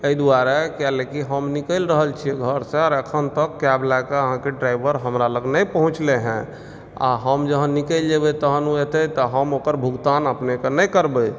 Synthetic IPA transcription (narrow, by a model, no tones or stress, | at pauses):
əid̪uaɾekjalekiɦəmnikəlɾəɦəlt͡ʃʰieɡʱəɾsẽaɾəkʰənt̪əkːablakeəɦãkeɖɾajbəɾɦəmɾaləɡnəpəɦũt͡ʃleɦɛ̃ | a̰ɦəmd͡ʒəɦə̃nikəld͡ʒebet̪əɦənuet̪et̪ɔɦəmokəɾbʱuɡt̪anəpnekenəjkəɾbe